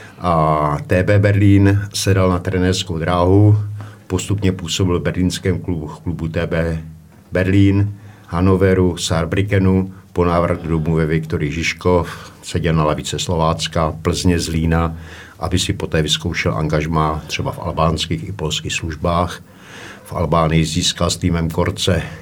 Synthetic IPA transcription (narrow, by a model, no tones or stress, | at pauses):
ʔat̪ɛːbɛːbɛɾliːnsɛdalnat̪ɾɛnɛrskowd̪ɾaːɦupost̪upɲɛpuːso̞bɪlbɛɾliːnskɛːmkuklubut̪ɛːbɛː | bɛɾliːnhanovɛɾusaɾbɾɪkɛnuponaːvrɣdomuvɛvɪkt̪oɾɪɪʒɪʃkofsɛɟɛlnalɛvɪt͡sɛslovaːt͡skapl̩zɲɛzliːnaʔabɪsɪpo̞t̪ɛːvɪskowʃɛlʔa̰ŋɡaʒmaːt̪r̥ɛbafa̰lbaːnskiːxɪpo̞lskiːxsluʒbaːx | fʔa̰lbaːnɪjɪziːskalst̪iːmɛmkoɾt͡sɛ